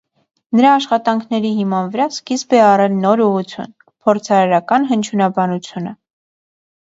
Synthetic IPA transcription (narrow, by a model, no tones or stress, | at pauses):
nəɾɑːʃχɑt̪ɑŋkʰnɛɾiɦimɑnvəɾɑskisbɛɑrɛlnɔɾuʁut͡sʰjṵn | pʰɔɾt͡sʰɑɾɑɾɑkɑnɦənt͡ʃʰjunɑbɑnut͡sʰjunə